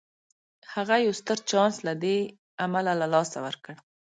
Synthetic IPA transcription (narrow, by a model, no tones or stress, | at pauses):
haɣajawst̪əɾt͡ʃɑnslad̪e | amalalalɑsawəɾkəɽ